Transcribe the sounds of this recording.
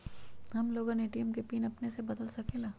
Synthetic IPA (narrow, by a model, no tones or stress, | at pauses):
hɐmloːɡãneʈiːəmkepiːnɐpnesebɐd̪əlsɐkʰeːlaː